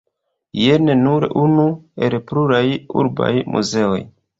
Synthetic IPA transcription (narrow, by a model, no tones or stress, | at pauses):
jenenuɾunue̞lpluɾajṵɾba̰jmʔṵze̞o̞̰j